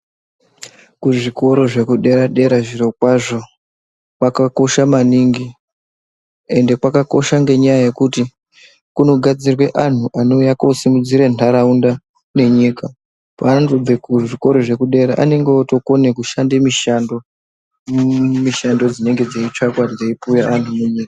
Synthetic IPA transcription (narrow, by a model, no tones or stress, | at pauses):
kuʐiko̞ɾo̞ʐe̞kuɗe̞ɾaɗe̞ɾaʐiɾo̞kwaʐo̞ | kwakako̞ʃamaniŋɡi | e̞nde̞kwakako̞ʃaŋɡe̞ɲajaje̞kuti | kuno̞ɡʱad͡zirwe̞ʔan̤uʔano̞jako̞simud͡ziɾentaɾaunda | ne̞ɲika | pantub͡vekuʐiko̞ɾo̞ʐe̞kuɗe̞ɾa̰ʔa̰ne̞ŋɡeoto̞ko̞ne̞kuʃandemiʃando | miʃando̞d͡zine̞ŋɡe̞d͡zait͡ʃakwad͡zaipujaʔantʰumuɲiːkḁ